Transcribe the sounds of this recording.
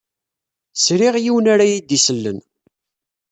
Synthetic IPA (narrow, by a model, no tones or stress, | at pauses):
sɾɪʁjiwənaɾajid̪isəlːə̰n